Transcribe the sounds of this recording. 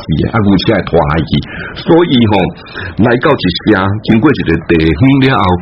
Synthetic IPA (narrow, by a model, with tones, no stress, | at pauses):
si˨˩ḛ˧˦ʔa˦ɡu˧˩t͡ɕʰja˦e˨˩t̪ʰwa̰˨˩a˧jkḭ˨˩sɔ˦i˧i˧ɦɔ̃˨˩ | la˧jka˥˨wt͡ɕi˨˩ɕjã˧kʰi˧nkwe˥˨t͡ɕi˨˩e˨˩t̪e˨˩˨ɦĩ˦lja˦ʔa˧w